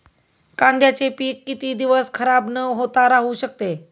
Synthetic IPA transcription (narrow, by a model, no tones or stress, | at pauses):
kãnd̪jat͡sepiːkːit̪iːd̪iʋəskʰəɾabnəɦot̪aɾaɦuɕək̚t̪e